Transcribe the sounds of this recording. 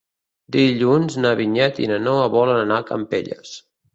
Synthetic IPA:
d̪iʎunznəβiɲɛt̪ḭnənoəβɔlənənakə̰mpḛʎə̰s

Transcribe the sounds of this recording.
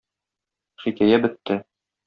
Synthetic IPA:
χikæjæbɘ̆t̪ːɘ

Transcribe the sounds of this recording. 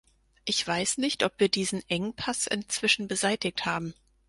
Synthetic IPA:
ʔɪçv̥aɪsnɪçtʔɔpv̥iːɐdiːzn̩ʔɛŋənpʰasɪ̰nt͡sv̥ɪʃn̩bəzaɪtɪk̚thaːbm̩

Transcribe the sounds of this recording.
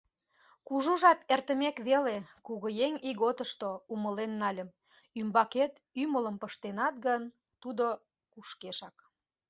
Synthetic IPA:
kuʒuʒɑp̪ert̪əmekβelekuɣəjeŋiɣot̪əʃt̪ouməlenːɑlʲəm | ymbɑket̪ | ymələmpəʃt̪enɑt̪ɣən | t̪ud̪o | kuʃkeʃɑk

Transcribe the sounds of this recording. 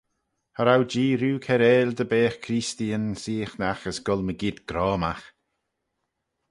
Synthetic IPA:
haɾawd͡ʒiːɾuːkʰɛɾɛːld̪əbeːxkʰɾistiənsiːxnaxəsɡ̥ɔlməɡɪd̪ɡ̥ɾɔːmax

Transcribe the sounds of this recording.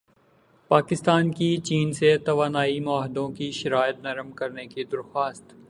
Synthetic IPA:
paːkɪst̪aːnkit͡ʃiːnset̪ɐʋaːnaːimʊaːɦɪd̪õkiʃɐɾaːɪt̪̚nɐɾəmkɐɾnekid̪ɐɾxaːst̪

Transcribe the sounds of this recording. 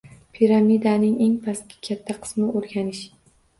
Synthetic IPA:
pʰiɾamid̪anɪŋe̞ŋpʰaskʲɪ̥kʲʰat̪ʰːaqʰɨ̥smɪoɾɡʲanɪʃ

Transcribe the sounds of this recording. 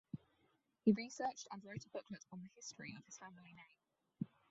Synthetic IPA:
hiɹisɜˑt͡ʃtə̃nɹəʊtʰɪb̥ʊkʰlətn̩ðəhɪstɹ̥ḭəv̥ɪz̥famɪlinẽɪ̃m

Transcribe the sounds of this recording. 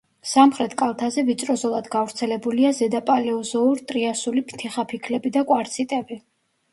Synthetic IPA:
samχɾɛt̪ʰʼkʼalˠt̪ʰazɛvit̪sʼɾɔzɔlˠad̪ɡavɾt̪sʰɛlɛbuliazɛd̪apʼalɛɔzɔuɾt̪ʼɾiasulipʰt̪ʰiχapʰikʰlɛbid̪akʼwaɾt̪sʰit̪ʼɛbi

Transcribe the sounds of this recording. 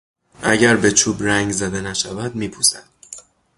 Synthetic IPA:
ʔæɟæɾbe̞t͡ʃʰuːbɾæŋɟzæd̪enæʃævæd̪miːpʰusæ̰d̪̥

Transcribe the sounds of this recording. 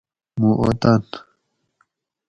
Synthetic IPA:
muʔo̰t̪an

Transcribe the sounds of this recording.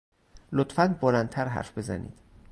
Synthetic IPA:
lot̪fænbolænt̪ʰæɾɦæ̰ɾfbe̞zæ̰nḭːd̪̥

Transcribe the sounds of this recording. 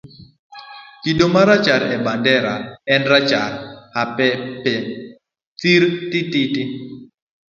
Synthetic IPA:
kidomaɾat͡ʃaɾɛbandɛɾa̰ɛnɾat͡ʃaɾhapɛpɛ | t̪iɾtɪtɪtɪ

